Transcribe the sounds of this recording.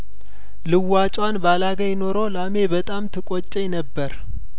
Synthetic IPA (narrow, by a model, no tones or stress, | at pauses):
lɨwːat͡ʃʼwanbalaɡəjɪno̞ɾolame̞bət̪ʼamt̪ʰɨkʼot͡ʃʼːɛjnəbːəɾ